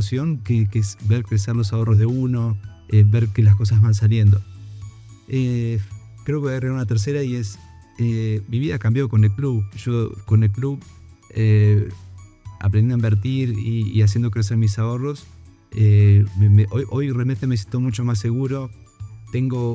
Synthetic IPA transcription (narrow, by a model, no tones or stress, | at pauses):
sjo̞ŋkekesbeɾkɾeseɾlo̞s̬ao̞rozðeuno̞ | eβeɾkelasko̞s̬azβans̬aljend̪o | e | kɾe̞okeejreaunat̪eɾs̬eɾaie̞s | emiβiðakambjo̞ko̞ne̞lkluβʒoko̞nelkluβe | a̰p̬ɾenjenimbeɾt̪iɾḭːas̬jend̪o̞kɾes̬eɾmisao̞ro̞s | eemeʔojʔo̞jrealment̪ems̬ent̪omut͡ʃo̞mas̬e̞ɣuɾo̞t̪e̞ŋɡo̞